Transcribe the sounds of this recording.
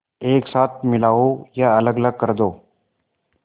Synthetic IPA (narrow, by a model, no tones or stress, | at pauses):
eːksaːt̪̚ʰmɪlaːojaələɡələɡ̚kəɾd̪oː